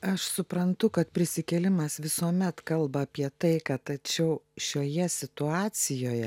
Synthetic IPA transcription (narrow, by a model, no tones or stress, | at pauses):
ɐʃsʊpɾɐnt̪ʊkɐt̪pʲɾʲɪsʲɪkʲɛlʲɪmɐsʋʲɪsuɔmʲɛt̪kɐlˠbɐːpʲiɛt̪ɐɪkɐt̪ɐt͡ʃʲɛʊʃʲoːjɛsʲɪt̪ʊɑːsʲɪjoːjɛ